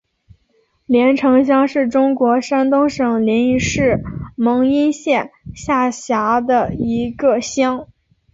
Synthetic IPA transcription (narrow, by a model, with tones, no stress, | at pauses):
ljɛ˧˥nʈ͡ʂʰɤ˧˥ŋɕ̬jɑ˥ŋʂɻ̩˥˩ʈ͡ʂʊ˥ŋkwɔ˧˥ʂa˥nt̪ʊ˥ŋʂɤ˨˩ŋljɛ˧˥ni˧˥ʂɻ̩˥˩mɤ˧˥ŋi˥nɕjɛ˥˩nɕja˥˩ɕja˧˥d̪ə˧i˧˥ɡə˧ɕjɑ˥ŋ